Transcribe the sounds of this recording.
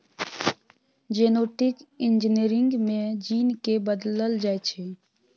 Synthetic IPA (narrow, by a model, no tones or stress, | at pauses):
d͡ʒeːnoːʈɪkɪ̃nd͡ʒniɾɪ̃ŋɡmẽd͡ʒiːnkebəd̪ləld͡ʒaːet͡ʃʰe